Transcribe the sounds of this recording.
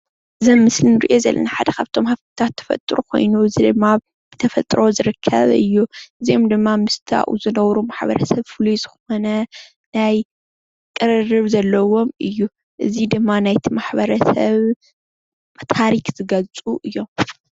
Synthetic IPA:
ɨzɨmːɨslinɨɾḭʔo̞zɐ̰lːʔɐ̰naħad̪ɐkʰaβt̪ʰo̞mhaβt̪ʰɨ̥t̪ʰat̪ʰːɐ̥fɐ̰t̪ʼɾukʰo̞̰jnuɨzid̪ɨmːa | b̥ɨt̪ʰɐfɐt̪ʼɾo̞zɨɾɨkʰːɐ̰βɨ̰jːuʔɨziomd̪ɨmːamɨst̪ʰa̰ʔṵzɨnɐwɾumaħbɐ̰ɾɐsɐβfɨluzɨxo̞nɐ | naj | kʼɨɾɨrɨβzɐlːɐwo̞mʔɨjːu | ʔɨzid̪ɨmːanajt̪ʰimaħbɐɾɐsɐβ | t̪ʰaɾikz̥ɨɡɐlt͡sʼuʔɨjːo̞m

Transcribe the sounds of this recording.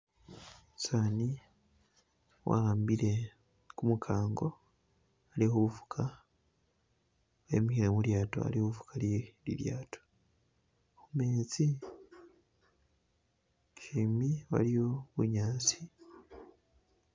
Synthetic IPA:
sani | wʔa̰aːmbiɾe̞ | kumukʰaːŋɡo̞ | alihouvu̥kʰa | wḛmihiɾamuɾjaːto̰a̰ɾihoβuvu̥kʰaɾjeɾḭɾja̰ːto̥ | omeːt͡si | kʰimiβa̰ɾijoβuɲaːt͡si̥

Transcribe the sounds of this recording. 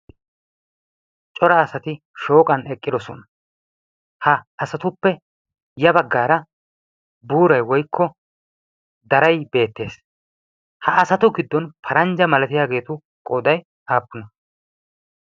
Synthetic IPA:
t͡ʃʼɔɾɐːsɐt̪ɪ | ʃo̞ːkʼɐnɛkʼːɪd̪ɔsɔ̰nɐ | hɐːsɐt̪ʊpːɛ | jɐbɐɡːaːɾɐ | buːɾɐjwɔjkʰːɔ | d̪ɐɾɐjbe̞ːt̪ːe̞ːs | hɐːsɐt̪ʊɡɪd̪ːɔnpʰɐɾɐnd͡ʒɐmɐlɐt̪ɪjaːɡe̞ːt̪ʊ | kʼɔd̪ɐj | aːpːʊnɐ

